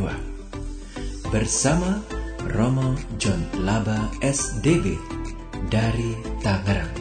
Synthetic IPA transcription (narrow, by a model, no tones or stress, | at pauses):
a̰ | bərsamarɔmɔd͡ʒɔnlabaɛsdebe | daɾit̪aŋəɾaŋ